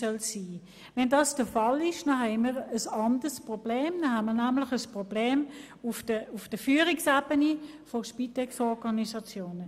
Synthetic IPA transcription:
œlsiː | vɛndɑːsd̥əfɑlɪʃnɑɦɛɪməʁəsɑndəspʁɔb̥leːmdɑɦɛnməʁnæmlɪχəspʁob̥leːm | ʊfdəʊfd̥əfyːʁɪksaːbəni | fɔʃpitɛksɔʁɡɑnisɑt͡sjoːnə

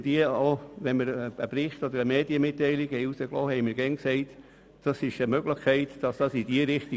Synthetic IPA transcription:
d̥̪iəoʋɛnməɾəəpɾɪχt̪ɔd̪əɾəmeːd̥iəmɪtːɛɪliɡhɛjusəklɔːhɛɪmɪɾɡɛnksɛɪt | d̥ɑsɪʃəmœɡləχkʰɛɪt̪d̥ɑsd̥ɑsid̥̪iəɾɪχt̪i

